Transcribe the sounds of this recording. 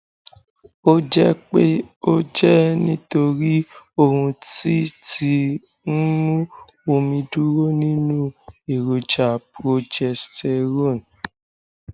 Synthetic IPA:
o˦d͡ʒɛ˦k͡pe˦o˦d͡ʒɛ˦nĩ˦to˧ɾi˦o˧hũ˧ti˦ti˧ | n̩˦mũ˦ | o˧mĩ˧du˦ɾo˦nĩ˦nũ˦e˨ɾo˨d͡ʒa˨pɾo˧d͡ʒɛ˨stɛ˧ɾo˦˨n˨

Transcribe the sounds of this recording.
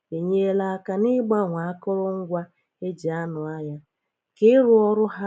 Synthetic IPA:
e˨ɲe˦la˦ka˨nɪ˦ɡ͡ba˦ŋʷa˨a˦kɔ˦ɾɔ˦ŋ̩˦ɡʷa˦ | e˦d͡ʒi˨a˦nʊ˨a˦ɲa˦ | kɪ˦ɾʊ˦ɔ˦ɾʊ˦ɦa˦

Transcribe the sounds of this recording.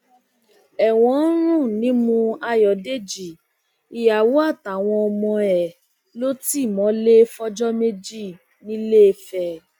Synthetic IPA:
ɛ˨w̃ɔ̃˨˦ɾ̃ũ˦˨nĩ˨˦mũ˧a˧jɔ˨de˦˨d͡ʒi˨ | i˨ja˨wu˨˦a˦˨ta˨w̃ɔ̃˧ɔ˧mɔ̃˧ɛ˨ | lo˦ti˦˨mɔ̃˨˦le˦fɔ˦d͡ʒɔ˦me˦d͡ʒi˦˨ | nĩ˨˦le˦e˧fɛ˨

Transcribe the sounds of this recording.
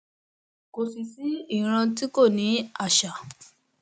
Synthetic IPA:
ko˨si˨si˨˦i˦˨ɾ̃ã˧ti˦ko˦˨nĩ˨˦a˦˨ʃa˨

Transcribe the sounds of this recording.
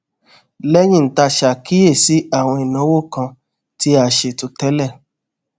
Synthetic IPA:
lɛ˦j̃ĩ˦˨ta˧ʃa˨ki˦e˦˨si˨˦a˦˨w̃ɔ̃˧i˨nɔ̃˨˦wo˦˨kã˧ | ti˦a˧˨ʃe˨tu˧tɛ˦lɛ˦˨

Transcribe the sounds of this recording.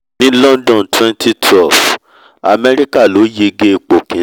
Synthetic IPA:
nĩ˦lɔ̃˦ndɔ̃˦˨n˨twɛ̃˦ntʰi˦tʰɛ˦lf | a̰˨mɛ˦ɾi˦ka˦˨lo˨˦je˧ɡe˦˨k͡po˨kĩ˨

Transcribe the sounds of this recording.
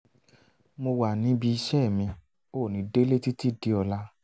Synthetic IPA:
mo˧wa˨nĩ˨˦bi˧i˧ʃɛ˦˨mĩ˧ | o˦˨nĩ˨˧de˦le˦ti˦ti˦˨di˧˦ɔ˧la˧

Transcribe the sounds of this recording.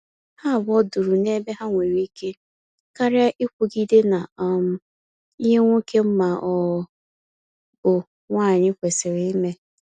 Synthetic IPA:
ha˦˨bɔ˦du˨ɾu˨ne˦be˦ɦa˦ŋʷe˨ɾi˦ke˦ | ka˦ɾja˦ʔi˦kʷu˦ɡi˦de˦na˨m˨ | i˦ɦe˦ŋʷu˦ke˦m̩˦ma˨ʔɔ˨ | bʊ˨ | ŋʷaː˦˨ɲɪ˦kʷe˨sɪ˨ɾɪ˦i˦me˦

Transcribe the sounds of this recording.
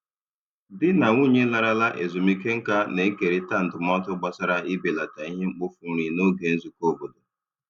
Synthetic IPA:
dɪ˦na˨ŋu˦˨ɲe˦la˦ɾa˦la˦ʔḛ˨zu˨mi˦ke˦ŋ̩˦ka˦ne˨˦ke˨ɾi˦ta˦n̩˨dʊ˨mɔ˦tʊ˦ɡ͡ba˦sa˦ɾa˦ɪ˦be˨la˨ta˨i˦ɦe˦ŋ͡m̩˦k͡pʊ˦fu˨˦ɾi˨no˦ɡe˨n̩˦zu˨ko˦bo˨do˨

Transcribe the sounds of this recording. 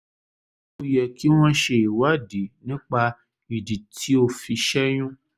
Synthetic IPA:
u˦jɛ˨ki˦w̃ã˦ʃe˨i˨wa˦di˨nĩ˦k͡pa˧ | i˨di˨tʰi˦o˦fi˧ʃɛ˦ɲũ˦

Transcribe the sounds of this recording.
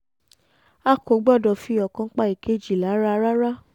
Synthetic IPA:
a˦ko˨˦ɡ͡bɔ˦˨dɔ˨fi˧˦ɔ˨kã˧˦k͡pa˧˦i˨ke˦d͡ʒi˨la˨˦ɾa˦ɾa˦ɾa˦

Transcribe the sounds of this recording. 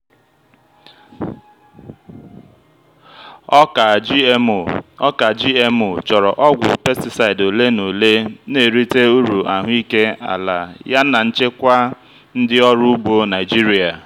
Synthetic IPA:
ɔ˦ka˨d͡ʒi˦e˦mo˨t͡ʃɔ˨ɾɔ̰˨ʔɔ˦ɡʷʊ̰˨pe˦stɪ˨sa˨ɪ˨do˨le˦no˨le˦ne˨ɾi˦te˦u˦ɾu˨ʔa˨ɦʊ˦i˦ke˦a̰˨la˨ja˦na˨n̩˦t͡ʃe˦kʷa˦ | n̩˦dɪ˦ɔ˦ɾu˦u˦ɡ͡bo˦na˨ɪ˨d͡ʒi˦ɾi˨a˨

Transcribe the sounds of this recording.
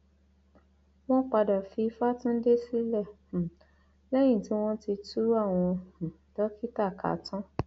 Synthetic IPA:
w̃ɔ̃˦k͡pa˧da˨fi˧fa˦tũ˦de˦si˦lɛ˦˨ | lɛ˦j̃ĩ˦˨ti˨˦w̃ɔ̃˦ti˧tu˦a˦˨w̃ɔ̃˧h̩˨ | dɔ˦ki˦ta˦˨ka̰˨˦tã˦

